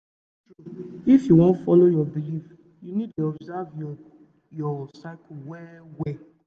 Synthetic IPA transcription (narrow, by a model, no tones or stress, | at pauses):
ɹuifjuwɔ̃ntfɔlojɔbilif | junid̚tuɔbzavj | jɔsaɪkʰwɛwɛ